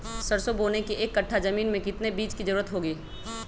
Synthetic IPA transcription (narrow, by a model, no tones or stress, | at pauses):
sɐɾsoboːnekiʔeːkːɐʈʰːazɐmiːnmẽkɪt̪nebiːt͡ʃkizɐɾuːɾət̪ɦoːɡiː